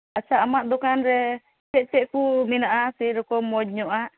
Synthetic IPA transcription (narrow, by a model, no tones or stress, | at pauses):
at͡ʃaʔːmaʔd̪ɔkanɾɛ | t͡ʃɛʔt͡ʃɛʔkuminaʔasiɾɔkɔmɔd͡ʒ̚ɲɔʔa